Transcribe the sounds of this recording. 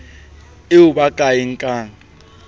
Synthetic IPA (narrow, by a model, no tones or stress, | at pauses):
ɪuɓaɡ̥ʱʼajɪŋ̩kʼaːŋ̩